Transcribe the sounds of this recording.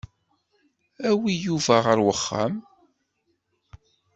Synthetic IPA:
æwijuvæʁəɾwəχːa̰m

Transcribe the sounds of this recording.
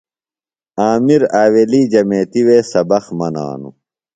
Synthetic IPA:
aːmiɾaːweːliːd͡ʑɐmeːt̪iweːsɐbɐxmɐna̰ːnṵ

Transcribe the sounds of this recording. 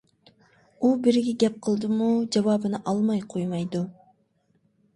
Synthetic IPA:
ubiɾɡʲiɡʲɛp̚qʰɨlˠd̪ɨmud͡ʒɑvɑːbɯnɑʔɑlˠmɑjqʰojmɑjd̪u

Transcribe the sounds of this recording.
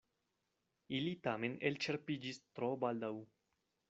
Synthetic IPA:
ilitame̞nelt͡ʃe̞ɾpid͡ʒist̪ɾobald̪aw

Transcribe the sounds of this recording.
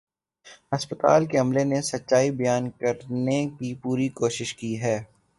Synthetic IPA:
ɐspət̪a̰ːlkeɐmlenesɐtːʃaːibɐjaːnkɐɾnekipuːɾikoːʃɪʃkiɦɛː

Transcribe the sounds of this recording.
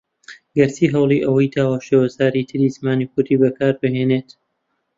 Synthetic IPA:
ɡɐɾsiːɦɐwlˠiːʔɐwɐjt̪ʰaːwaːʃeːwɐzaːɾit̪ʰɨɾiːzmaːniːkʰʊɾt̪iːbɐkʰaːɾbɨɦeːneːt̪

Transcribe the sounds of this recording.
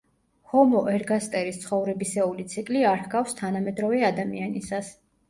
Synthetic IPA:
hɔmɔʔɛɾɡast̪ʼɛɾist̪sʰχɔvɾɛbisɛulit̪sʰikʼliaɾhɡafst̪ʰanamɛd̪ɾɔvɛad̪amianisas

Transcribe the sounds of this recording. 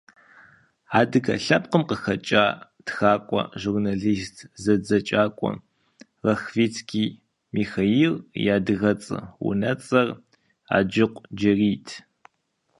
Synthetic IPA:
aːdɨɡɐ̰ɬɐp̚qəmqəxɐt͡ʃʼaː | txaːkʷʼɔ̰ʒurnaɮiːstʰzɐd͡zɐt͡ʃʼaːkʷʼɔ̰ | rɐxviːt͡skʰiː | miːxairjaːdɨɣɐt͡sʼɨ̰wṵnɐt͡sʼɐr | a̰ːd͡ʒɪqʷʼd͡ʒɐriːtʰ

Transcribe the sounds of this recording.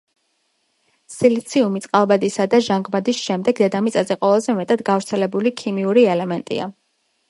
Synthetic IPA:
silit̪sʰiumit̪sʼqʼalˠbad̪isad̪aʒaŋɡmad̪isʃɛmd̪ɛɡd̪ɛd̪amit̪sʼazɛqʼɔlazɛmɛt̪ʼad̪ɡavɾt̪sʰɛlɛbulikʰimiuɾiɛlɛmɛnt̪ʼḭa

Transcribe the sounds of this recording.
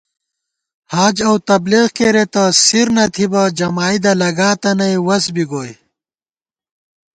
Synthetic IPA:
haːd͡ʑɐwt̪ɐbleːɣkeɾet̪ɐsiɾnɐt̪ʰibɐd͡ʑɐmaːid̪ɐlɐɡaːt̪ɐnɐjwɐsbiɡoːj

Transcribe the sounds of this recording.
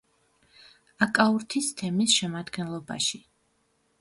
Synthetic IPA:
akʼauɾt̪ʰist̪ʰɛmisʃɛmad̪ɡɛnlˠɔba̰ʃi

